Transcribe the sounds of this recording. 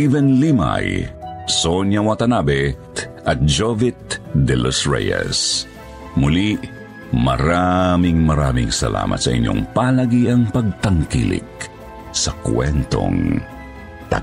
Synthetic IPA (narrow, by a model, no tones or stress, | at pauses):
ivɛnlima̰jsoɲjawɐt̪ɐnabɛt̪ʔɐt̪̚d͡ʒovɪt̪̚d̪ɛlosɹɛ̰jɐ̰s | mʊli | mɐɾamiŋmɐɾaːmɪŋsɐla̰ːmɐ̰t̪sɐʔḭɲʔo̰ŋpalɐɡiʔɐŋpɐɡ̚t̪ɐŋkḭlɪ̰k̚ | sɐkwɛnt̪o̰ŋ | t̪a